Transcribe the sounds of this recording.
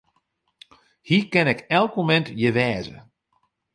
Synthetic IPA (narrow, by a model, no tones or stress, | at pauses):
hikɛnɛkɛlˠkmomɛntjəʋɛːzə̰